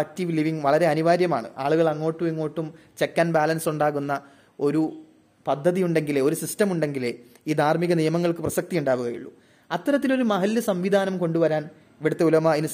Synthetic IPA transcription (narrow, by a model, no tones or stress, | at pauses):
k̚tiʋliʋiŋʋɐɭɐɾe̞ɐniʋaːɾjɐma̰ːɳɨ̰ʔa̰ːɭuɣɐɭɐŋːo̞ːʈːumiŋːo̞ːʈːumt͡ɕekːɐnbaːlɐnsuɳɖaːɣunːɐ | o̞ɾu | pɐd̪ʱːɐðijuɳɖe̞ŋɡileo̞ɾusistɐmuɳɖe̞ŋɡile | iːd̪ʱaːrmiɣɐnijɐmɐŋːɐɭkɨprɐsɐk̚t̪ijuɳɖaːʋuɣɐjḭɭːṵ | ɐt̪ːɐɾɐt̪̬ːilo̞ɾumɐɦɐlːɨsɐmʋid̪ʱaːnɐmko̞ɳɖuʋɐɾaːn | ʋiɽut̪ːeulɐmaːinu